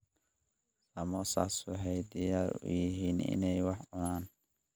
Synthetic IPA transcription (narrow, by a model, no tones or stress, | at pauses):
lɐmɔsa̰ːswɑħɛjd̪ijaːɾʊ̰jɪɦiːnɪ̰nɛjwɑħʕʊnaːn